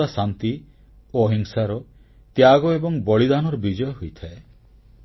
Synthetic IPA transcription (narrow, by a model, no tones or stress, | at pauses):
asant̪i | oɦiŋsaɾɔ | t̪jaɡɔebɔŋbɔɭid̪anɔɾɔbid͡ʒɔjɔɦojt̪ʰae